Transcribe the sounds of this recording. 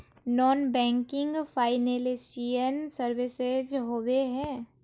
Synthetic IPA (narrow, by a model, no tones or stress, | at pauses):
nɔːnbɛ̃ːŋkɪ̃ŋɡpʰaːɪnelesiənsəɾʋɪsed͡ʒɦoweɦɛ̃ː